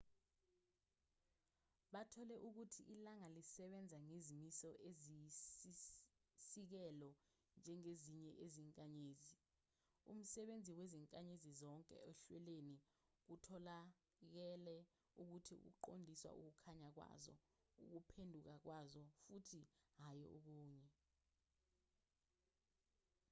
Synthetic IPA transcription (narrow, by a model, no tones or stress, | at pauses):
ɓatʰɔlɛʔuk̬utʰiʔilaŋalisɛɓɛnd͡zʱaŋezimisɔʔeziisik̬ɛlɔ | nd͡ʒʱɛŋeziɲɛʔeziŋkʼaɲeːzi | ṵm̩sɛɓend͡zʱiweziŋkʼaɲezizɔŋkʼɛ̰eɬwɛleni | k̬utʰɔla | k̬ɛlɛ | uk̬utʰiṵk̬ṵǃondʱiswa̰ʔṵk̬ukʰaɲak̬wa̰zɔ̰ | ṵk̬upʰendʱuk̬ak̬wazɔfutʰiɦajɔ̰ʔuk̬uːɲɛ